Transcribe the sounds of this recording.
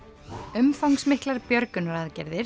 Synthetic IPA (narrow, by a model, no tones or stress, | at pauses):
ʏmfawŋksmɪhklaɾpjœɾkʏnɾaðcɛɾðɪɾ